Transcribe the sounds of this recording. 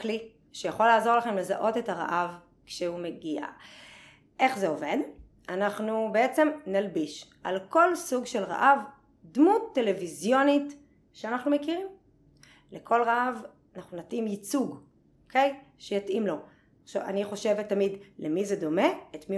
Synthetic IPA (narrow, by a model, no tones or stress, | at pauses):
kli | ʃejaχo̞lːaːzo̞ʁlaχe̞mle̞zaʔo̞t̪e̞taʁa̰ʔav | kʃeumeɡia̰ | ʔe̞χze̞o̞ve̞d̪ | anaχnubeet͡se̞mnalbiʃʔalko̞lsuɡʃe̞lʁa̰ʔav | d̪mut̪ːe̞levizjo̞nit | ʃeanaχnumekiʁim | lekʰo̞lʁaav | anaχnunatʔimjit͡suɡ | okʰe̞jʃejatʔimlo̞ | χʃava̰niχo̞ʃe̞vet̪ːamidlemized̪o̞me̞et̪mi